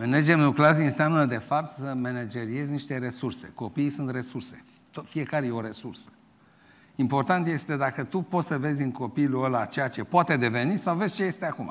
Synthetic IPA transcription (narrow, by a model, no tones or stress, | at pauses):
mened͡ʒemukleaziɨnseamnəd̪e̞fapt̪səme̞ned͡ʒe̞ɾie̞zʲniʃt̪e̞ɾe̞surse̞̰ko̞piːsunt̪re̞surse̞ | t̪ofie̞kaɾejeoɾe̞sursə̥ | impo̞rt̪ant̪je̞st̪e̞d̪akət̪upo̞t̪səve̞zʲɨŋko̞piluəlat͡ʃe̞jat͡ʃe̞poat̪e̞d̪e̞ve̞nisawve̞zʲt͡ʃe̞je̞st̪eakuma̰